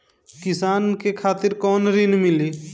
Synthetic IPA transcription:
kɪsaːnkekʰaːt̪ɪɾkɔːnɾinmɪli

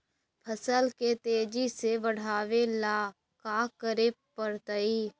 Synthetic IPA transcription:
pʰəsəlkeːt̪eːd͡ʒiːseːʋəɽ̤aːʋeːlaː | kaːkəɾeːpəɾt̪əiː

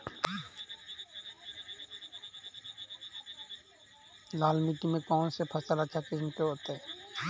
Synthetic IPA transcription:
lalmiʈimẽkɔːnsepʰəsəɾət͡ʃʰakismkeɦot̪e

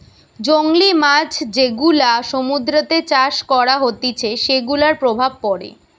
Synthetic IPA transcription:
d͡ʑoŋlimad͡ʑʰd͡ʑeɡulaʃomud̪ɾot̪et͡ɕaʃkɔɾaɦot̪it͡ɕʰeʃeɡulaɾpɾobʱab̚pɔɾḛ

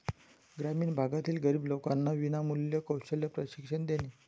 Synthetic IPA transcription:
ɡɾamiːnbʱaɡat̪iːlɡəɾiːblokanːaʋinamuljəkəwɕəljəpɾəɕikʂənd̪eniː

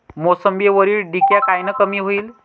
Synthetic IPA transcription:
mosəmbieʋəɾiːlɖikjakajnəkəmiːɦoiːl

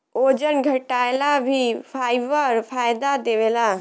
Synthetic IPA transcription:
oːd͡ʒənɡʱəʈaːjlabʱipʰaːiʋəɾpʰaːjd̪ad̪eʋela

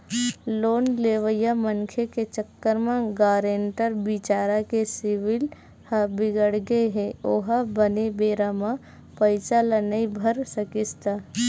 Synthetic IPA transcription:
loːnleːʋəjaməŋkʰeket͡ʃəkːəɾmãɡaːɾeːɳʈəɾbit͡ʃaːɾakesɪʋɪl | habɪɡəɽɡeɦẽoːɦabənebeːɾamã | pəɪsalanɐibʱəɾsəkɪst̪a

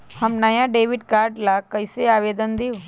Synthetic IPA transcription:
hɐmnɐjãɖeːʋɪɖkaːɾɖlakɐɪseaːʋeːd̪ənd̪io

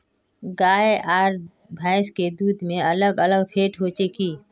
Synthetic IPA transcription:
ɡaːeʔaːɾ | bʱaːɪsked̪uːd̪mẽələɡələɡpʰeːʈʰɦot͡ʃekiː

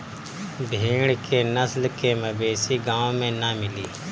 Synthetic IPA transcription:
bʱeːɳkeːnəslkeːməbeːsiːɡãːõːmẽːnaːmɪliː

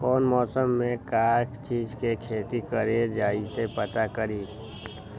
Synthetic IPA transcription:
kɔːnmɔːsəmːẽkaːkt͡ʃiːzkekʰeːt̪ikəɾed͡ʒaːisepət̪akəɾiː

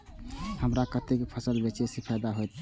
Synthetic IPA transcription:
həmɾakət̪ekpʰəsəlbet͡ʃesepʰajd̪aɦojt̪

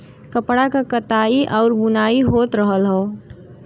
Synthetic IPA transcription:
kəpɽakakət̪aːiʔɔːɾbʊnaːiɦoːt̪ɾəɦəlɦɛː

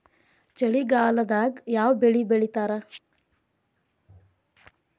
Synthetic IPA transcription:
t͡ʃɐɭiɡaːlɐd̪aːɡjaːʋbeɭibeɭit̪aːɾɐ

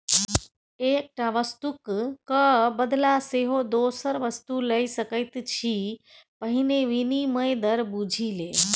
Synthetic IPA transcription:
eːk̚ʈaʋəst̪ukkəbəd̪laseɦod̪oːsəɾʋəst̪uləjsəkəjt̪t͡ʃʰi | pəɦineʋiniməjd̪əɾbud͡ʒʱile

